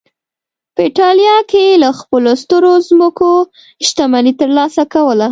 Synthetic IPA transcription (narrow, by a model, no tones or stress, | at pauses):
pəiʈɑljɑkelaxpəlost̪əɾozməko | ʃt̪amanit̪əɾlɑsakawəla